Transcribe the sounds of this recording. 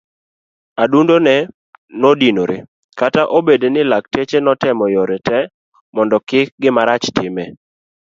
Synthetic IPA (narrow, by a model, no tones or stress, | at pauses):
adundonɛ | nodinoɾḛ | kataʔobedenɪlak̚tet͡ʃenɔtɛmɔjɔɾɛtɛ | mɔndɔkɪk̚ɡɪmaɾat͡ʃtɪmɛ